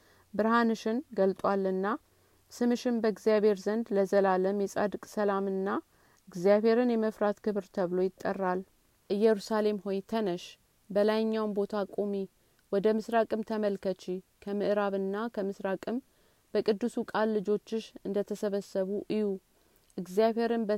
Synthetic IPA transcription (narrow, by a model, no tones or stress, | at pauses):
bɨɾhanɨʃɪnɡəlt̪ʼwalːɨnːa | sɨmɨʃɪnbəɡzijaβhe̞ɾzənd̪ləzəlaləmjɛsʼa̰d̪ɨkʼsəlamɨnːa | ɨɡzjaβhe̞ɾɨnjɛməfɾat̪kʰɨβɾt̪ʰəβlo̞jɪt̪ʼːərːal | ʔɨjːɛɾusale̞mho̞jt̪ʰənəʃ | bəlajɲːawnbo̞t̪ʰakʼo̞mi | wɔd̪əmɨsɾakʼɨmt̪ʰəməlkʰət͡ʃikʰəmɨʔɨɾaβɨnːakʰəmɨsɾakʼɨm | b̥əkʼɨd̪ːɨsukʼalːɨd͡ʒo̞t͡ʃːɪʃɨnd̪ət̪ʰəsəβəsːəβuʔɨju | ʔɨɡzjaβhe̞ɾɨnb